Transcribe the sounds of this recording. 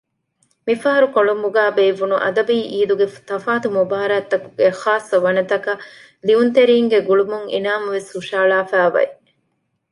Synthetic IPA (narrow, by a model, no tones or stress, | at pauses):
mifɐɦɐɾukoɭumbuɡæːbeiʋunuʔɐ̰d̪ɐbiːʔiːluɡeft̪ɐfaːt̪umubaːɾaːt̪ːɐkuɡexaːsːɐʋɐnɐt̪ɐkɐ | liunt̪eɾiːŋɡeɡuɭumuŋḛnaːmɐʋeshuʃaːlaːfæːʋɐ̰e